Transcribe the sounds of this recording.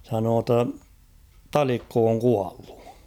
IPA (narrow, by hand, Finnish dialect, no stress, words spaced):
sɑnoː tː on̞ tɑlikːo oŋ kuɑlːu̥